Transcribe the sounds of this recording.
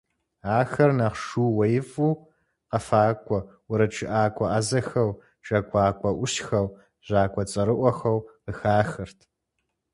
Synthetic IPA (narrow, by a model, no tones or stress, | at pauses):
aːxɐrnaχʂuːwɐjɪfʼuː | qɐfaːkʷʰʼɔwʊɾɐʈ͡ʂʰɪʔaːkʷʰʼɔʔɐzɐxɐw | t͡ʃʼɐkʷʰʼaːkʷʼɔʔʷʊɕxɐw | ʑaːkʷʼɔt͡sʼɐɾɨʔʷɔxɐwəxaːxɨrtʰ